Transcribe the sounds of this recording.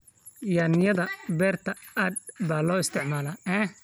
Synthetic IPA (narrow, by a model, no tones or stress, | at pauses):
jaːnɪjɐðɐbɛːrt̪ʰɐɐd̪̚baːlɔːɪst̪ʰɪʕmaːlɐɛ